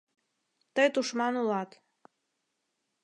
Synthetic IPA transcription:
t̪əjt̪uʃmɑnulɑt̪

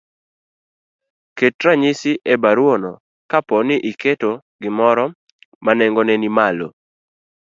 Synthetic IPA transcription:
ketɾaɲisɪʔebaɾwono | kapɔnɪʔiketo | ɡɪmɔɾɔ | manɛŋɡonɛnimalo̰

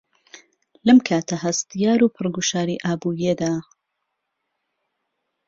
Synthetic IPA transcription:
lɐmkʰaːt̪ʰɐhɐst̪ijaːɾuːpʰɨrɡuʃaːɾiʔaːbuːjed̪aː

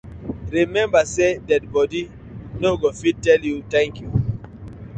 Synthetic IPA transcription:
ɾimɛ̃mbasedɛd̚bɔdi | noɡofid̚tɛljutɛ̃ŋkju

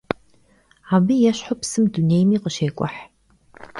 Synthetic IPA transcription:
aːbɨjɛɕħʊpsɨmduneːjmiːqəʃeːkʷʼɔ̰ħ

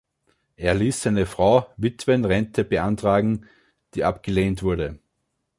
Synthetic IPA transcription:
ʔeːɐliːsːaɪnəfʁ̥aʊvɪtv̥ənʁɛntʰəb̥əʔantʁ̥aːɡŋ̩ | d̥iːʔapɡ̥əleːntv̥ʊɐɾə

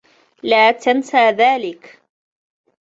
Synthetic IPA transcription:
laːt̪ansaːðaːlɪk

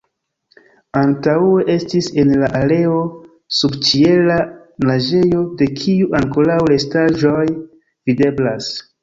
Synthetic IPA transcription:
antaue̞ʔe̞stise̞nlaʔale̞o̞ | subt͡ʃie̞la | naʒe̞jo̞de̞kʰiuʔaŋko̞ɾawle̞staʒo̞j | vide̞blas

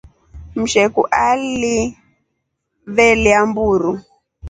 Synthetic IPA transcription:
m̩ʃɛkuʔali | βɛliambuɾu

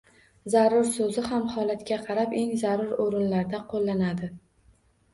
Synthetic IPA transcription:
zaɾʊɾsɵzɪɦamhɒlat̪kʲaqʰɑɾape̞ŋzaɾʊɾoɾɪnlaɾd̪aqʰolˠːanad̪ɪ

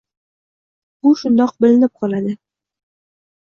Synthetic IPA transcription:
buʃund̪ɑq̚bɘ̆lɘ̆nɘp̚qɒlˠad̪ɤ

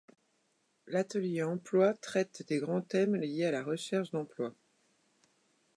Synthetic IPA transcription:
lat̪əljeɑ̃plwat̪χɛt̪d̪eɡʁɑ̃t̪ɛmlijealaʁəʃɛʁʃd̪ɑ̃plwa

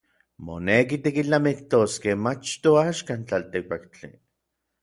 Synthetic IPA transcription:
mo̰nek̬it̪ikit͡ɬamikt̪oskemat͡ʃt̪oaːʃkant͡ɬalt̪ik̚pakt͡ɬḭ

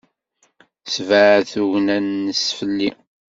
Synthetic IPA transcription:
svəʕθuʝnænːəsfəlːi

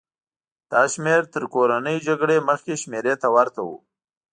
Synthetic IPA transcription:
d̪̥ɑʃmeɾt̪əɾkoɾanəjd͡ʒaɡɽeməxkeʃmeɾet̪awaɾt̪awṵ

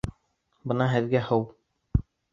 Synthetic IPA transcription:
bɤ̆nɑɦɘ̆ðɡæhɤw

